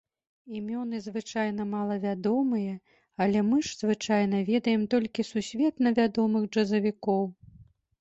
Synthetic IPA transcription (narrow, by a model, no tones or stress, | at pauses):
imʲɔnɨzvɨt͡ʂajnɐmalˠɐvʲad̪ɔmɨjɐ | ɐlʲɛmɨʂz̥vɨt͡ʂajn̪ɐvʲɛd̪ɐjɛmt̪ɔlʲkʲisusʲvʲɛt̪nɐvʲad̪ɔmɨxʐɐzɐvʲikɔw